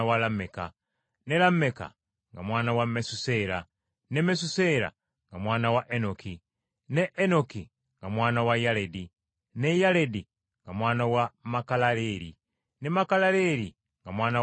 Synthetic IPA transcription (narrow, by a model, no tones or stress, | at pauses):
walameka̰ | ne̞lameka̰ | ŋɡamwaːnawamesuse̞ɾa | ne̞mes̬useɾa̰ | ŋɡamwaːnawaʔenoki | neʔːnoki | ŋɡamwaːnawajaledi | nejaledi | ŋɡamwaːnawamakalaɾeɾḭ | ne̞makalaɾe̞ɾi | ŋɡamwaːna